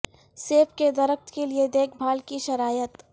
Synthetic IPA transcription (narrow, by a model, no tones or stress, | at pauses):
seːpked̪ɐɾək̚t̪kelied̪eːkʰbʱaːlkiʃɐɾaːjət̪